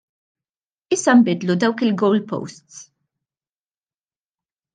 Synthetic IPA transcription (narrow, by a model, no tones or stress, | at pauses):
ɪsːɐmbɪd̪lud̪ɐwkɪlɡɔwlpɔ̰wst̪s